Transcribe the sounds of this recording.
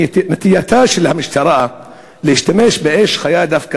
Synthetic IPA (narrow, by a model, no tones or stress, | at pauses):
t̪mat̪ɪjat̪aːʃɪlhamɪʃt̪ɑɾˤɑːʔa | liʃt̪ameːʃbɪʔeːʃxajaːd̪afk